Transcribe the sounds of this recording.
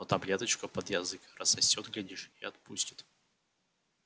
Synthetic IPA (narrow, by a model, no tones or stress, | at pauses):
ot̪ɐblʲet̪ət͡ɕkʊpəd̪jɐzɨkrəsɐsʲːot̪ɡlʲɪdʲiʂiɐt̪̚pusʲtʲɪ̥t̪